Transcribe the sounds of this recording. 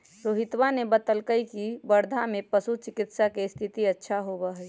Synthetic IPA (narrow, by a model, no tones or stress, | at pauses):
ɾoːɦɪt̪wanebət̪əlkəikibəɾd̪ʱamẽpəsut͡ʃɪkɪt̪sakest̪ʰɪt̪iətːʃʰaɦobəɦi